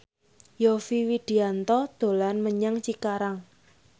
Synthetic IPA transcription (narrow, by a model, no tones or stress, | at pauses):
jofiwiɖ̥i̤ant̪ɔd̪̥o̤lanməɲaŋt͡ʃikaɾaŋ